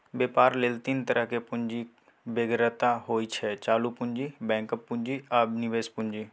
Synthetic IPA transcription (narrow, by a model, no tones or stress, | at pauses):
beːpaːɾleːlt̪int̪əɾəɦkepʊɲd͡ʒi | beɡɾət̪aɦoːit͡ʃʰɛt͡ʃaːlupʊɲd͡ʒiːbɛ̃ːkəpːʊ̃ɲd͡ʒiabnɪʋeːspʊɲd͡ʒiː